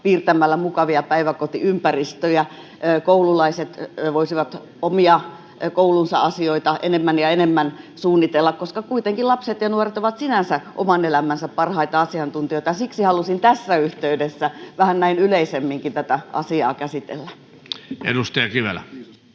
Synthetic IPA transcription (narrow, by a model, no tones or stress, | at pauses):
piːrt̪æmælːæmukɑʋiɑpæiʋækot̪ḭympærist̪øjæ | koululɑiset̪ʋoisiʋɑt̪ | omiɑ | koulunsɑ̰ɑsioit̪ɑʔḛnemːænjɑenemːænsuːnːit̪elːɑkkoskɑkuit̪eŋkilɑpset̪jɑnuoret̪oʋɑt̪sinænsæʔo̰mɑnelæmænsæppɑrhɑit̪ɑɑsiɑnt̪unt̪ioit̪ɑjsiksihɑlusint̪æsːæyht̪eydesːæʋæhænnæinyleisemːiŋkint̪æt̪æʔɑ̰siɑ̰ːkæsit̪ḛlːæ | ḛdust̪ɑjɑkiʋḛlæ